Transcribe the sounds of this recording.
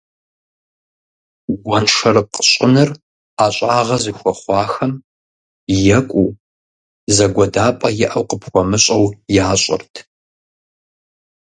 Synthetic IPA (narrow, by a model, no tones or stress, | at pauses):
ɡʷɐnʂɐrɨqəɕʼənɨr | aːɕʼaːʁɐzɨxʷɔχʷɑːxɐm | jɛkʷʼuː | zɐɡʷɔdaːpʼɐjɪʔɐwqəpxʷɔmɨɕʼɐwjaːɕʼɪ̰rtʰ